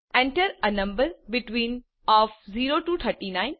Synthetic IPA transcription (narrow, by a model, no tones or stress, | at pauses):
ɛ̃ɳʈəɾənɐ̃mbəɾbɪʈʋĩːn | ɔːfziːɾoːʈuːt̪ʰəɾʈinãɪ̃n